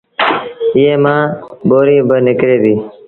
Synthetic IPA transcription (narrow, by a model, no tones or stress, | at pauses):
ɪːeːmãːɓoːɾiːbənɪkɾeːbiː